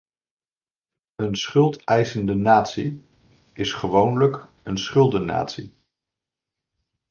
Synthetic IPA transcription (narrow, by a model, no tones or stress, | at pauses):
ənsχɵlˠtɛjsəndənaːtsi | ɪsχəʋownlək | ənsχɵlˠdəna̰ːtsḭ